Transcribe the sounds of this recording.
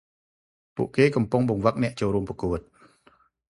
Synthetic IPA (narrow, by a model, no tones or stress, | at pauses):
pṵəʔkeːkɑmpuŋɓɑŋʋək̚nɛ̆əʔt͡ɕoːlɾuəmpɑkuət̪̚